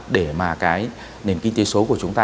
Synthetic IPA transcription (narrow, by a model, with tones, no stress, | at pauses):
ɗe˧˩maː˨˩kaː˨˦j | ne˨˩mki˧ŋ̟t̪e˨˦so˨˦ku˧˩ət͡ɕʊ˨˦ŋ͡mt̪aː˧